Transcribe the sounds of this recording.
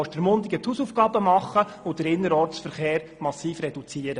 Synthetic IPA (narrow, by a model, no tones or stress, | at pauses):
ɔʃd̥əɾmʊnd̪ɪɡət̪huːsufɡ̥ɑːbəmɑχːə | ʊd̥̪əɾɪnːəɾɔɾtt͡ssfəɾχeːɾmɑsːiːfrɛd̥ut͡siəɾə